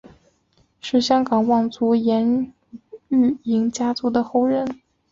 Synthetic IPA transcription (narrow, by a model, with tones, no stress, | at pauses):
ʂɻ̩˥˩ɕjɑ˥ŋkɑ˨˩ŋwɑ˥˩ŋt͡su˧˥jɛ˧˥n | y˥˩i˧˥ŋt͡ɕja˥t͡su˧˥d̪ə˨xo˥˧ʊɻə˥˩n